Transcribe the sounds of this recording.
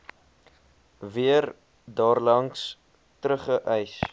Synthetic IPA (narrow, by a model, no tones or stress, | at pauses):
viər | dɑːrlɐŋs | tɾəχəʔœjs